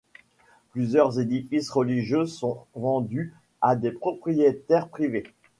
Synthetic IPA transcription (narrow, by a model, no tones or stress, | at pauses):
plyzjœʁzed̪ifisʁəliʒjøsɔ̃vɑ̃d̪y | ad̪epχɔpχijet̪ɛʁpχive